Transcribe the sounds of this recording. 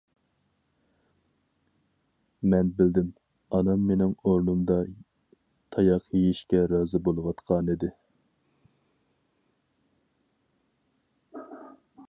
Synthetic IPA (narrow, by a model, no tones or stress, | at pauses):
mɛnbɪld̪ɪm | ɑnɑmːenɪŋoɾnumd̪ɑ | t̪ʰɑjɑqjejiʃkʲɛɾɑːzɨbolˠwɑt̪qʰɑːnɨd̪ɪ